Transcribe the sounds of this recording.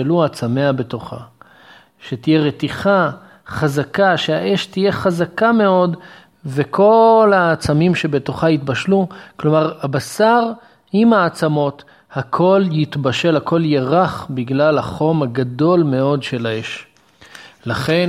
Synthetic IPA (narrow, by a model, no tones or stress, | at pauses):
eluat͡same̞abe̞to̞χa̰ | ʃetije̞ʁet̪iχa | χazakaʃeaʔe̞ʃtije̞χazakame̞o̞d | ve̞kʰo̞laːt͡samimʃe̞be̞to̞χait̪baʃluklo̞maʁabasaʁ | imaːt͡samo̞t | hakʰo̞ljitbaʃe̞lhakʰo̞ljeʁaχbiɡlalaχo̞maɡad̪o̞lme̞o̞dʃe̞laeʃ | laχe̞n